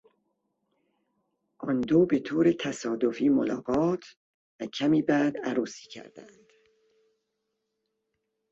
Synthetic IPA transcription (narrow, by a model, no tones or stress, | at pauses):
ʔɒnd̪oːbe̞t̪ʰoːɾet̪ʰæsɒːd̪ofiːmolɒːɡɒːt̪ʰ | væcʰæmiːbæːd̪æɾuːsi̥ːcʰæ̰ɾd̪ænd̪̥